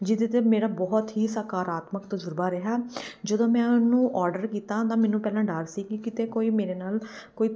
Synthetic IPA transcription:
d͡ʒɪd̪eːt̪eːmeːɾaːbɔːɦt̪ɦiːsəkaːɾaːt̪məkt̪əd͡ʒʊɾbaːɾeɦaːd͡ʒəd̪õːmɛ̃ːʊnũːʔɔːɾɖəɾkiːt̪ãːt̪ãːmɛːnũːpɛːlãːɖaːɾsiːkɪkɪt̪eːkoːiːmeːɾeːnaːl | koːiː

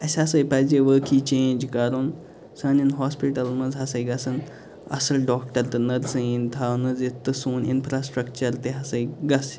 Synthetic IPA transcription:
əsasəjpajd͡ʑeʋəkʰit͡ɕẽɲd͡ʑkaɾuːn | sãninɦɔspiʈəlməd͡zɦasəjɡasən | ɐ̰səlɖɔkʈəɾt̪ɨnəɾsəĩnt̪ʰawnəd͡zet̪ːɨsuːnḭnfɾasʈɾəkt͡ɕəɾt̪eɦasəjɡas

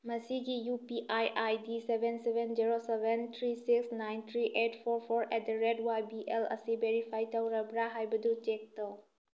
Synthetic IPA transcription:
mɐsiɡijupiʔajʔajdisebʱensebʱend͡ʒiɾosebent̪ʰɾisiksnajnt̪ʰɾiʔetpʰɔɾpʰɔɾɛt̚dɐɾedwajbiʔelɐ̰sibeɾipʰajtawɾɐbɾaɦajbɐdutek̚təw

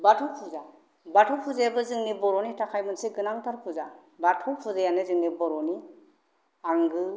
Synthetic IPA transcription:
batʰupʰuza | batʰɔpʰuzajabɯzɯŋnibɔɾɔnitakʰajmɯnseɡɯnaŋtaɾpʰuza | batʰɔpʰuzajanɯzɯŋnibɔɾɔni | aŋɡɯ

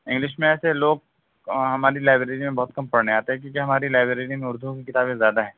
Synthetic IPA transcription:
ɪ̃ŋɡlɪʃmẽɛːseloːɡ̚ | ɦɐmaːɾilaːɪbɾeːɾimẽbɐɦʊt̪̚kɐmpɐɾneaːt̪eɦɛ̃k̬jõːkiɦɐmaːɾilaːɪbɾɾeːɾimẽʊɾd̪ʱũkikɪt̪aːbẽzjaːd̪aɦɛ̃ː

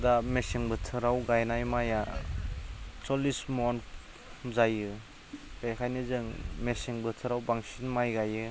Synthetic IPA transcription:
damesiŋbɯtʰɯɾawɡajnajmaja | sɔlismɔn | zajɯ | kejkʰajnizɯŋmesiŋbɯtʰɯɾawbaŋsinmajɡajɯ

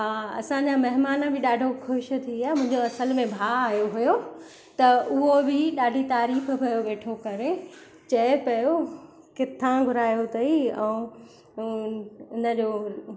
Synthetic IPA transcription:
ɦaːɐ̰sãɲd͡ʑamɐɦɪmaːnəbɪɗaːɖʱoxʊʃ̆t̪ʰiaːmʊ̃ɦɪ̃ɲd͡ʑoɐsəlmẽbʱaːaːɦjoɦujo | t̪ɐʊɦobɪɗaːɖʱit̪aːɾiːf̆pɐjoʋeːʈʰokɐɾe | t͡ɕɐepɐjo | kɪt̪ʰãɡʱʊɾaːjot̪ʰɐiɛ̃ũ | ɪnə̆d͡ʑoː

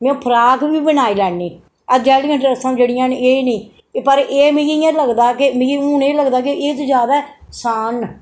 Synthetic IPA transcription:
mẽõːpʰəɾaːkʋiːbənaːiːlɛːniː | əd͡ʒaːlĩɪ̃ɳʈɾəsãːd͡ʒeːɽɪjãːneːnĩː | pəɾeːmĩãːləɡd̪aːkemːiʊneːləɡd̪aːkeeːt̪oːd͡ʒjaːd̪aːsaːn

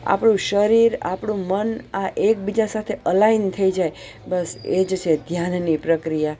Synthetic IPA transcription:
a̰pɽ̃ũʃəɾiɾa̰pɽ̃ũmənaʔek̚bid͡ʒasat̪ʰeʔəlaint̪ʰəid͡ʒaj | bəsed͡ʒt͡ʃʰed̪ʱjannipɾəkɾija

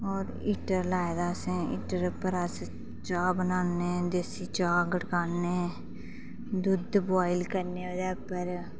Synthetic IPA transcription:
ɔːɾ | iːʈəɾlaːed̪aːsẽḭːʈəɾpəɾəs | t͡ʃaːbənaːneːd̪eːsiːt͡ʃaːɡəʈkaːneː | d̪ʊd̪bʋaːɪlkəɾneːəd̪ɛːpəɾ

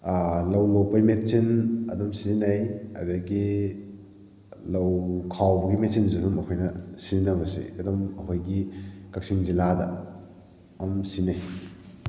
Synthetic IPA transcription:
lɐwlowpɐjmet̚t͡ʃinɐ̰dɐmsinajɐ̰dɐɡi | lɐwkʰawbɐɡimet̚sinzidumɐkʰojnɐsinɐbɐsḭɐdɔmɐkʰojɡikak̚siŋziladɐ̰ | ɐmsinaj

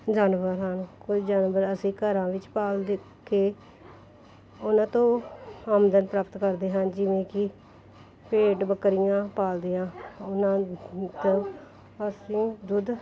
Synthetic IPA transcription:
d͡ʒaːnʋəɾɦanːkʊt͡ʃd͡ʒaːnʋəɾəsĩːkəɾãːʋɪt͡ʃpaːld̪ | keː | ʊnãːt̪õːaːmd̪ənpɾaːpt̪kəɾd̪eːɦənd͡ʒɪʋẽːkɪ | peːʈbəkːɾɪjãːpaːld̪iːãːʊnãːt̪õ | əsĩːd͡ʒ̪ʊd̪

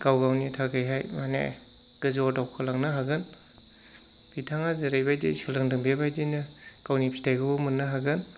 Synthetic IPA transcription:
ɡawɡawnitʰaɡɯjɦajmanḛ | ɡ̥ɯzɔdawkʰɯlaŋnɯɦaɡɯn | bʰitʰaŋazɯɾajbajdḛsɯlɯŋdɯŋbebajdɯnɯɡ̥awnipʰitʰajɡɯbumɯnːɐɦaɡɯn

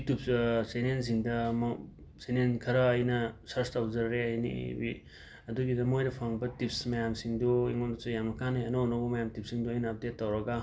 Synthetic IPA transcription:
tup̚senens̬iŋdɐm | senenkʰɐɾɐːjnɐsɐɾstawzɐɾɾeɐjnḭbi | ɐduɡidɐmojdɐpʰaŋbɐtipsmɐjamsiŋdoiŋondɐsojamnɐkʰaneɐnonɐwbɐmɐjamtip̚siŋdoɐjnɐːp̚detːɐwɾɐɡa

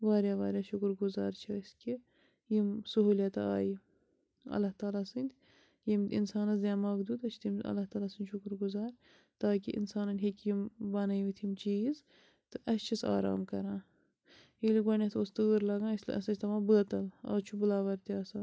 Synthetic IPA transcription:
ʋaːɾjaːʋaːɾjaːʃukɾɡuzaːɾt͡ʃʰaiski | jimsuɦuːlʲjɐt̪aa̰ːji | ɐ̰lːɐht̪aːlaːsɨnʲd̪ʲ | jimʲḭnsaːnɐzd̪jaːmaːɡd̪uːt̪ɐt͡ʃʰt̪ʰimɐ̰lːɐht̪aːlaːsɨnʲʃukɾɡuzaːɾ | t̪aːkḭʔḭnsaːnɐnʲɦekjimbaːnɐjiʋit̪ʰimt͡ʃiːz | t̪ɨʔɐst͡ʃʰisa̰ːɾa̰ːmkɐɾãː | iliɡʷwɐnʲɐt̪ʰost̪ɨɣɨɾlɐɡãːslɐ̰sɐt͡ʃʰt̪ɐʋaːbəːt̪ɐla̰ːt͡ʃʰubɨlaːʋɐɾt̪iaːsaːn

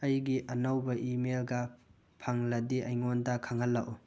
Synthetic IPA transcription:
ɐjɡiʔɐnɐwbɐʔimelɡɐ | pʰaŋlɐdiʔɐjŋondɐkʰaŋɐlːaʔu

